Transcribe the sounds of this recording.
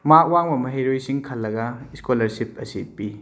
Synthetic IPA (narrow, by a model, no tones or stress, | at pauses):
mak̚waŋbɐmɐɦejɾojsiŋkʰɐlːɐɡɐiskolɐɾsip̚ɐsipːi